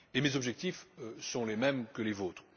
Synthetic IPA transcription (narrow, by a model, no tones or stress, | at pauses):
emezɔbʒɛk̚t̪iføsɔ̃lemɛmkəlezoːt̪χ